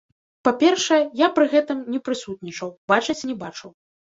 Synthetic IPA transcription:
papʲɛrʂɐjɛjapɾɨɣɛt̪ɨmnʲɛpɾɨsut̪̚nʲit͡ʂɐwbat͡ʂɐt͡sʲnʲɛbat͡ʂɐw

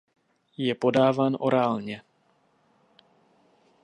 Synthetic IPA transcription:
jɛpo̞daːvaːnʔo̞ɾaːlɲɛ

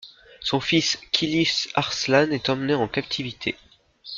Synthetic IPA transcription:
sɔ̃fiskʲʰilisaʁslanɛt̪ɑ̃mneɑ̃kap̚t̪ʰivit̪ʰe

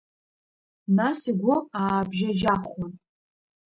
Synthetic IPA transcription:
nasiɡʷʊaːbʒad͡ʒaχʷan

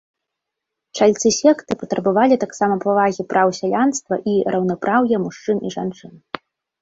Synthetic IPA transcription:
t͡ʂalʲt̪sɨsʲɛkt̪ɨpɐt̪ɾɐbavalʲit̪aksamɐpavaɣʲipɾʔawsʲalʲanst̪vɐ̰ʔiɾɐwnɐpɾʔawjɛmuʂt͡ʂɨniʐant͡ʂɨn

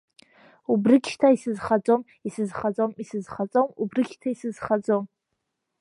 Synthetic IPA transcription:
ubrɨkʲʃtʰaisɨzχat͡sʼom | isɨzχat͡sʼomisɨzχat͡sʼomubrɨkʲʃtʰaisɨzχad͡zʼom

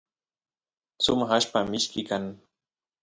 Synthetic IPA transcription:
t͡sʊmahaʃpamɪʃkɪkan

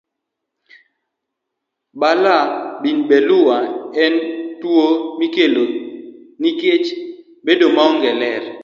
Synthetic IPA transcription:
balabinbɛluwaɛntwomikeloniket͡ʃ | bedomaɔŋɡɛlɛɾ

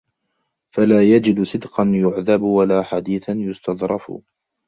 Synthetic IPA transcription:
falaːjad͡ʒɪd̪sˤɨd̪qɑnjʊʕðabwalaːħad̪iːθanjʊst̪ɑd̪ˤɾˤɑfʊ̰

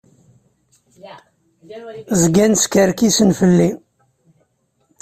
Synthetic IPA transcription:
zəɡænskəɾkisənfəlːi

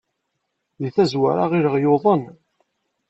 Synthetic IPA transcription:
ðiθæzwa̰ɾaʁiɾəʁjoðˤən

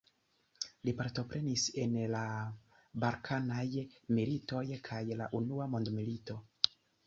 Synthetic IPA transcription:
lipaɾto̞pɾʔe̞nise̞nla | baɾkʰanajmilito̞jkʰajla̰ʔunuamo̞ndmilito̞

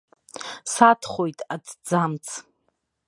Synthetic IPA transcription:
satʰχʷojtʼadʰd͡zamt͡sʰ

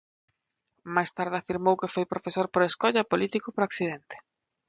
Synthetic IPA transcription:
majst̪aɾðɪafiɾmowkefojpɾofesoɾpoɾeskɔʎɐpolit̪ikʊpɾakθiðent̪ɪ̥

